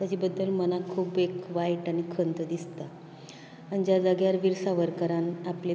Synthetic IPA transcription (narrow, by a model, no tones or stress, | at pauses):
t̪jad͡ʑibəd̪ːəlmənakʰuːbekʋajʈañikʰənt̪əd̪ist̪aː | ñid͡ʑjad͡zəɡjaɾʋiɾsaʋəɾkəɾanaple